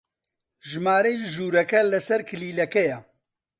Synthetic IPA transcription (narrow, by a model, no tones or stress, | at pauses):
ʒɨmaːɾɐjʒuːɾɐkɐlɐsɐɾkʰɨliːlɐkɛjɛ